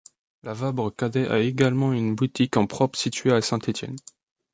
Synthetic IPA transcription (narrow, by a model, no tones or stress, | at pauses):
lavabʁəkad̪ɛʔa̰eɡalmɑ̃ynbut̪ikɑ̃pχɔpχsit̪ɥeasɛ̃t̪ʰet̪jɛ̰n